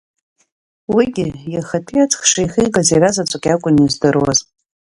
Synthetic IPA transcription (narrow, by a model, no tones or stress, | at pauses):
wiɡʲɪjaχatʰijat͡sʰʼχʂajχiɡazejɾazat͡sʷʼakʲʼakʷʼʊnizdɨrwa̰z